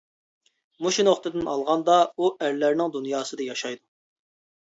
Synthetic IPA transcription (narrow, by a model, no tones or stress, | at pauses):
muʃunoχt̪ɨd̪ɪnɑlˠʁɑnd̪ɑuʔæɾlæɾnɪŋd̪unjɑːsɨd̪ɑjɑʃɑjd̪u